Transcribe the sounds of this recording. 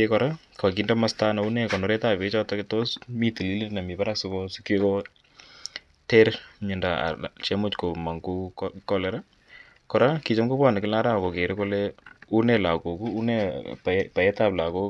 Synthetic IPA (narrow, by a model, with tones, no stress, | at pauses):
ekɔ˨ɾa˦ | ka˨kindɔ˦ma˦sta˦na˨u˦nɛ˦kɔ˨nɔ˨ɾɛ˦ta˨pe˦t͡ʃɔ˦tɔ˦kɪto˦smi˦ti˨li˦li˦nna˨mi˨pa˦ɾa˦ksʊ˦kɔ˦su˦kje˦kɔ˦ | te˦ɾɲɪ˨nda˨a̰˨t͡ʃɛ˦mʊ˦t͡ʃko˨ma˨ŋɡu˦kkɔ˦lɛɾa˦ | kɔ˨ɾa˦ki˨t͡ʃɔ˦mɡo˦pa˦˨nɪ˨kɪ˦la˦ɾa˦˨ko˨ke˨ɾɪ˦ko˦lɛu˦nɛ˨la˨ko˨ku˦u˦nɛ˦papa˨ɛ˦ta˦˨pla˨ko˦